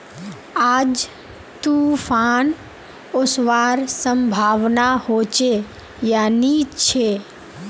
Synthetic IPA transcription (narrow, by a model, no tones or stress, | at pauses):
aːd͡ʒ | t̪ufʰaːn | ʊsʋaːɾsəmbʱaːʋnahoːt͡ʃe | jaːnit͡ʃʰeː